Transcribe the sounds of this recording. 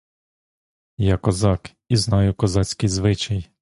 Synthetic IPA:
jakɔzɑk | iznɑjʊkɔzɑt͡sʲkɪjzʋɪt͡ʃɐj

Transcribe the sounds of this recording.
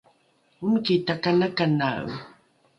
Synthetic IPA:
umkitakanakana̰ṵ

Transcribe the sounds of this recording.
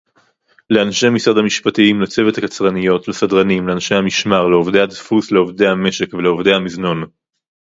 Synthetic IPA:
le̞anʃe̞misad̪hamiʃpatiimlet͡sevethakat͡sʁanijo̞tlesadʁanimleanʃe̞hamiʃmaʁleovd̪ehad̪fusleovd̪e̞jhame̞ʃekveleovd̪e̞jhamizno̞n

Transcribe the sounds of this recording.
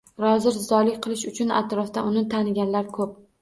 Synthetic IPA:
ɾɒzɪɾzɒlɪkʲqʰɨlˠɪʃʊt͡ʃʰʊna̰t̪ɾɒfd̪aʊnɪt̪ʰanɪɡʲanlaɾkʰɵp̚

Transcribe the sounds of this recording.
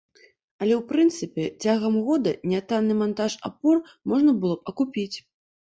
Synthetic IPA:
ɐlʲɛwpɾɨnt̪sɨpʲɛt͡sʲaɣɐmɣɔd̪ɐnʲɛat̪anːɨmant̪aʂa̰pɔr | mɔʐnɐbɨlˠɔb̚ɐkupʲit͡sʲ

